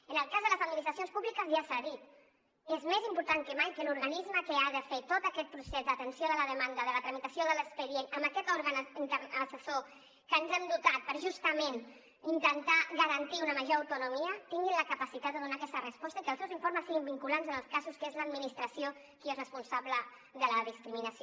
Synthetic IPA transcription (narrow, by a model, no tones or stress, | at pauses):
ənəlˠkazðələzəd̪minist̪ɾɐs̬jonspuβlikəzʒasaðit̪ | ezmezimpuɾt̪aŋkəmajkəluɾɣanizməkəaðəfet̪ot̪əkɛt̪̚pɾusezd̪ət̪ənsioðələðəmand̪əðələt̪ɾəmit̪əsjoðələkspəðjenəmbəkɛt̪ɔɾɣənint̪əəsəso | kənzɛmd̪ut̪at̪̚pəɾʒust̪əmen | int̪ənt̪aɣəɾɐnt̪iunəməʒoɾəwt̪unumiət̪iŋɡinləkəpəsit̪ad̪̚d̪əðunakɛst̪ərəspɔst̪əikəlˠsɛwziɱfoɾməsiɣimbiŋkulanzənəlˠskasuskezləːd̪minist̪ɾəsijo | kiezrəspunsaβlə | ðələðiskɾiminəsi